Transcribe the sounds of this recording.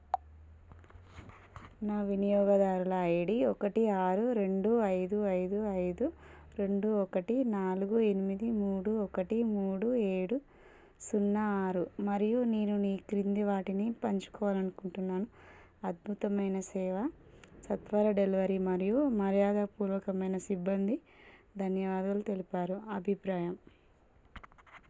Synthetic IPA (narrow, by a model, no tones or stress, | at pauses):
naːʋinijɔːɡɐd̪aːɾulɐːjɽiɔkɐʈiaːɾuɾe̞ɳɖuɐjd̪uɐjd̪uɐjd̪u | ɾe̞ɳɖuɔkɐʈinaːluɡue̞nimid̪imuːɽuɔkɐʈimuːɽueːɽu | sunːɐːɾumɐɾijuniːnuniːkɾind̪iʋaːʈinipɐɲt͡ʃu̥kɔːʋaːlɐnukuɳʈunːaːnu | ɐd̪̚bʱut̪ɐmɐjnɐsɛːʋɐsɐt̪ʋɐɾɐɖelʋɐɾimɐɾijumɐɾjaːd̪ɐpuːɾʋɐkɐmɐjnɐsibːɐnd̪i | d̪ʱɐnjɐʋaːd̪ɐlut̪e̞lipaːɾuɐbʱipɾaːjɐm